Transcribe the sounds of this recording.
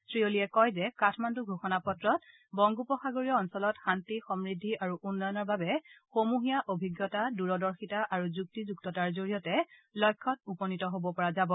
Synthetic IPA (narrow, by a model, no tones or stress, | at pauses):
sɹioliɛkɔjzɛkatʰmanduɡʱoxɔnapɔtɹɔt | bɔŋɡupɔxaɡoɹijɔːnsɔlɔtxantixɔmɹidʱːiʔaɹuʔunːɔjɔnɔɹbabɛxomuɦijaʔobʱiɡjɔtaduɹɔdɔɹxitaʔaɹuzuk̚tizuktɔtaɹzoɹiɔtɛlɔjkʰːɔtupɔnitɔɦobɔpɔɹazabɔ